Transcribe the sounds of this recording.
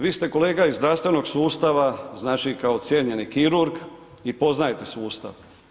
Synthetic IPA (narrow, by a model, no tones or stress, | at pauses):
ʋiːst̪e̞ko̞le̞ːɡaizd̪ɾaʋst̪ʋe̞no̞ɡsuːst̪aʋaznaːt͡ʃikaot̪sjeʎe̞nikiɾuɾɡ | ipo̞znajet̪e̞suːst̪a̰ʋ